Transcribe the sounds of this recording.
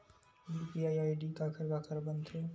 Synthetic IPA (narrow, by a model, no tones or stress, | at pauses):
jupiajaːjɖikakʰəɾɡakʰəɾbənt̪ʰe